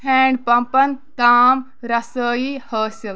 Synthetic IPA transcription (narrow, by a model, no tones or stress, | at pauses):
ɛːɳɖpɐmpɐnk̪aːm | ɾɐsəːihəːsil